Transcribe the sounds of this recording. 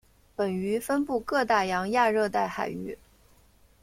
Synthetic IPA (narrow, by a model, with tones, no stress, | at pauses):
pə˨˩ny˧˥fə˥npu˥˧kɤ˥˧t̪a˥˩jɑ˧˥ŋja˥˧ɻɤ˥˧t̪a˥˩ɪxa˨˩ɪy̰˥˩